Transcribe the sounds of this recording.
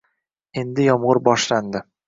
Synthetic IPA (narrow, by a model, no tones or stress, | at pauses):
e̞nd̪ɪjɒmʁʊɾbɒʃland̪ɪ